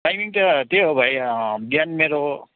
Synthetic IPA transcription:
ajmiŋʈ̪ʌt̪eɦobʱajbjanmeɾo

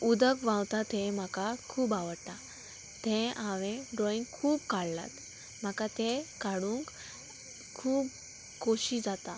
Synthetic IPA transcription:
ud̪əkʋãwt̪at̪em̤akakʰuːbaʋəɽta | t̪ẽãʋẽɖɔiŋɡkʰuːbkaɭːa̰t̪ | m̤akat̪ekaɽuːŋk | kʰːuːb̚ | koɕid͡zat̪a

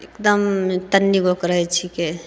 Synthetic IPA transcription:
ḛkd̪əmt̪ənːiɡʱokɾəɦɛt͡ʃʰike

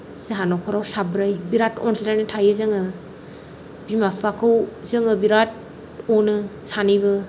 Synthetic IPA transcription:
seɦanɔkʰɔɾawsabɾajbiɾatɔ̰nsilajnɯtʰajɯzɯŋɯ | bimapʰakʰɯwzɯŋɯbiɾat̚ | ɔnɯsanijbɯ

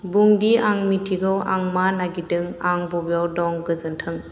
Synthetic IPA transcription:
buŋdiaŋmitʰiɡɯwʔaŋmanaɡidɯŋaŋbɔbijawdɔŋɡɯzɯntʰɯŋ

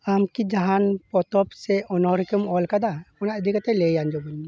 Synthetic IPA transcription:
amkid͡ʒaɦanpɔt̪ɔpsɛɔnɔɦɾikɔmɔlkad̪akɔnaʔəd̪ʱikat̪ɛlɛjand͡ʒɔbuni

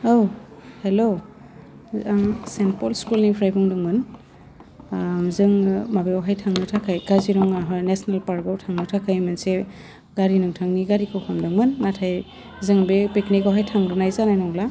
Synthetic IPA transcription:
owhelo | aŋsenpɔlskulnipʰɾajbɔŋdɔŋmɯn | zɯŋmabeawɦajtʰaŋnɯtʰakʰajɡ̥aziɾɔŋaɦnesnalpaɾɡawtʰaŋnɯtʰakʰajmanse | ɡaɾinɯŋtʰaŋniɡaɾikʰɯwkʰamdɯŋmɯnːatʰaj | zɯŋbepeknikawɦajtʰaŋdɔnajzanajnɔwla

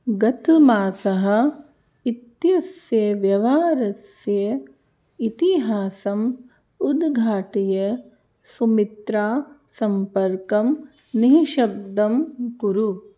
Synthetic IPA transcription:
ɡɐt̪umaːsɐɦɐ̆ | it̪jɐsjɐʋjɐʋaːɾɐsjɐ | it̪iɦaːsɐm | ud̪ɡʱaːʈɐjɐ | sumit̪ɾaːsɐmpɐɾkɐm | niɦʃɐb̚d̪ɐmɡuɾu

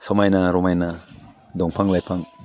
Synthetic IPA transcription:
sɔmajnaɾɔmajna | d̪ɔŋpʰaŋlajpʰaŋ

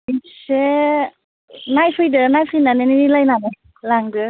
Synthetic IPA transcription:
ise | najpʰɯjdɯnajpʰɯjnaneninilajnane | laŋdɯ

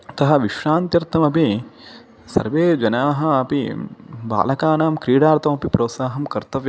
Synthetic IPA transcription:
t̪ɐɦɐ̆ʋiʃɾaːnt̪jɐɾt̪ʰɐmɐpi | sɐ̰ɾʋeːd͡ʒɐnaːɦɐ̆ɐpiba̰ːlɐkaːnaːmkɾiːɽaːɾt̪ʰɐmɐpipɾoːt̪saːɦɐmkɐɾt̪ɐʋjɐ

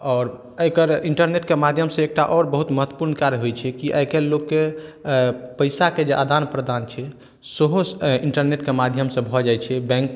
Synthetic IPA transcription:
ɔːɾ | əjkəɾiɳʈəɾneʈkemad̪ʱjəmsẽek̚ʈaʔɔɾbəɦut̪məɦət̪ːwə̥puɾnkaɾjəɦojt͡ʃʰɛkiʔəjkelokːe | pəjsaked͡ʒeʔad̪anpɾəd̪ant͡ʃʰɛ | səɦosiɳʈəɾneʈkemad̪ʱjəmsẽbʱɔd͡ʒajt͡ʃʰɛbɛ̃ŋk

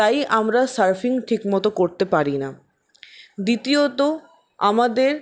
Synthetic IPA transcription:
t̪ajʔamɾasaɾfiŋʈʰikmɔt̪okoɾt̪epaɾina | d̪it̪iot̪o | amad̪eɾ

